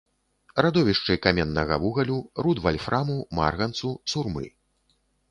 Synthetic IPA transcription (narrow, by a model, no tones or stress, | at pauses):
rad̪ɔvʲiʂt͡ʂɨkamʲɛnːɐɣɐvuɣɐlʲurud̪valʲfɾʔamuma̰rɣɐnt̪susurmɨ̰